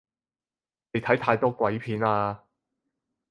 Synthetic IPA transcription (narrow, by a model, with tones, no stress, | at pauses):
ne˨˧jt̪ʰɐ˨˥jt̪ʰaː˧jt̪ɔː˥kʷwɐ˨˥jpʰiː˨˥naː˧